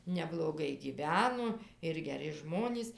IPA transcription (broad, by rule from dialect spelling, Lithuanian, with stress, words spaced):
nʲɛblˠoːˈɡɐɪ ɡʲiːˈʋʲæːnoː ɪr ɡʲɛˈrʲɪ ˈʒmoːnʲiːs